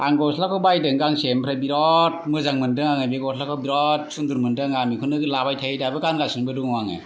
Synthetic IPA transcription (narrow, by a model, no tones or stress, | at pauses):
aŋɡɔslakʰɔwbajdɯŋɡaŋsempʰɾabiɾɔt̚mɯzaŋmɯndɯŋaŋɯjbeɡɔslakʰɔbiɾɔt̚sunduɾmɯndɯŋamikʰɯnɯɡɯlabajtʰaidabɯɡanɡasɯnbɯduŋwaŋɯ̰